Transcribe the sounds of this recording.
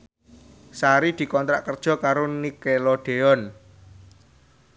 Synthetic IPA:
saɾid̪̥i̤kɔnt̪ɾa̰ʔkərd̥ʒ̥ɔ̤kaɾonikeloɖ̪̥eɔn

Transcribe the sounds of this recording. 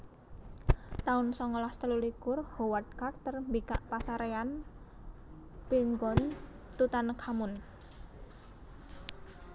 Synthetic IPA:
t̪aʊnsɔŋɔlast̪əlulikʊrhowat̪̚kart̪ərmbikaʔpasaɾean | pilŋɡɔn | t̪ut̪ankʰamʊn

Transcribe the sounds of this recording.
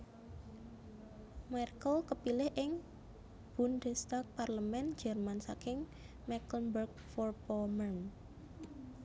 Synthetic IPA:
markəlkəpilɪhʔɪŋ | b̥undɛst̪ak̚parləmɛnd̥d͡ʒ̥ɛrmansakɪŋ | mɛkənbərɡ̚ | fɔrpɔmərm

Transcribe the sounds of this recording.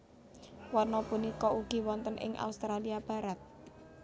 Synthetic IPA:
wɔnɔpunikɔʔuɡ̥i̤wɔnt̪ənʔɪ̰ŋʔa̰ust̪ɾaliab̥ä̤ɾat̪̚

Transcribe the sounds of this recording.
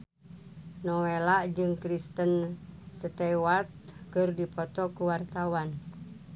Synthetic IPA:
nɔwelaʔd͡ʒɨŋkɾist̪ənsət̪ɛwat̪̚kɨrdipɔt̪ɔkuwart̪awan

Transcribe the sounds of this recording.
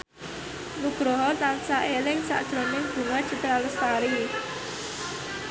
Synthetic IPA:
nuɡ̥ɾɔɦɔt̪ansaʔelɪŋsa̰ʔd̥ʒ̥ɾɔnɪŋb̥uŋḁʒ̥ə̤t̪əɾaləst̪aɾi

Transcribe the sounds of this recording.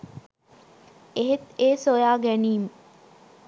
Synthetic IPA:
eɦet̪eːsojaːɡæniːmə

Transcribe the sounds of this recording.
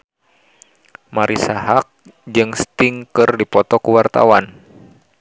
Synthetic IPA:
maɾʔisaɦak̚ | d͡ʒɨŋst̪iŋkɨrdipɔt̪ɔkuwart̪a̰wan

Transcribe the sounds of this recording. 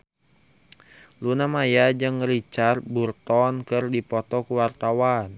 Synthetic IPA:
lunamajad͡ʒɨŋəɾit͡ʃarburt̪ɔnkɨrdipɔt̪ɔkuwart̪awan

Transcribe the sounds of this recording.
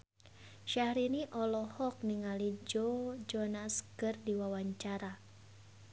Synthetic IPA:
ʃahɾiniʔɔlɔhɔk̚niŋalid͡ʒɔd͡ʒɔnaskɨrdiwawaɲt͡ʃaɾa

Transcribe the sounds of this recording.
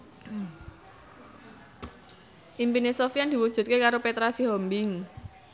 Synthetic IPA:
ʔimpinesofiand̪̥i̤wud̥ʒ̥ṳt̪̚kekaɾopet̪ɾasiɦɔmbɪŋ

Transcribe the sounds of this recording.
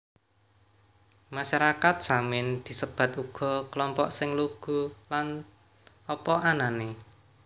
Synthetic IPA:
maʃaɾakat̪̚z̥amɪnd̪̥i̤səb̥a̤t̪uɡ̥ɔ̤kəlɔmpɔʔsɪŋluɡ̥ṳlan | ɔpɔʔanane

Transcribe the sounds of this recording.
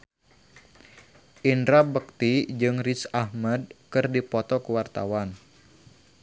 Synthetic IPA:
ʔinɾabək̚t̪id͡ʒɨŋrisahmɛd̚kɨrdipɔt̪ɔkəwart̪a̰wan

